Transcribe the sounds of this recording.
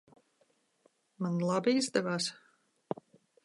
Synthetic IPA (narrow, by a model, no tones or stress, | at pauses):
manlˠabiizd̪ɛvaːs